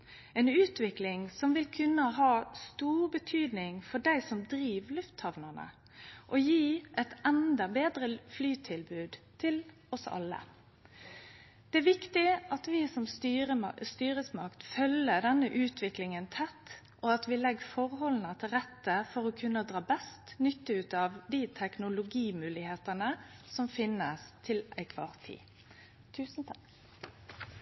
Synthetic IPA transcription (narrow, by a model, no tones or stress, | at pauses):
ɛːnʉːt̪ʋɪklɪŋsɔmʋɪlkʰʉnːəɦɑːst̪uːʁbət̪ʰyːd̪nɪŋfɔɖæɪsɔmd̪ɾiːʋlʉft̪hɑʋnənə̰ | ʔɔjiːʔɛt̪ɛnd̪ɑbeːd̪ɾəflyːt̪ʰɪlbʉːd̪t̪ʰɪl | ɔsɑ̰lːə̰ | d̪̥ɛæɾʋɪkt̪ɪɑt̪ʋɪːsɔmsəst̪yːʁəsmɑkt̪fœləd̪ɛnːəʔʉːt̪ʰʋɪklɪŋənt̪ʰɛt̪ː | ʔoɑt̪ʋɪlɛɡːfɔʁhɔlnət̪ʰɪlʁɛt̪ːəfɔɾoːkʰʉnːəd̪ʁɑːbɛst̪nʏt̪ːəʉːt̪ɑʋd̪it̪ʰɛknʊlʊɡiːmʉːlɪheːt̪ənəsɔmfɪnːəst̪ʰɪlæɪkʰʋɑːʁt̪ʰḭː | t̪ʰʉːsn̩t̪ʰɑk